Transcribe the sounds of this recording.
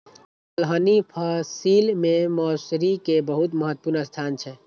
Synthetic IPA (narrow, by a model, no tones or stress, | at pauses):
əlɦənipʰasilmẽmɔːsɾikebəɦut̪məɦət̪ːəpuɾnəst̪ʰaːnt͡ʃʰɛ